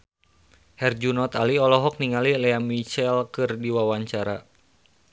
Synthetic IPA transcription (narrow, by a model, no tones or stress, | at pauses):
hɛrd͡ʒunɔt̪aliɔlɔɦɔk̚niŋalilɛamit͡ʃɛlkɨrdiwawaɲt͡ʃaɾa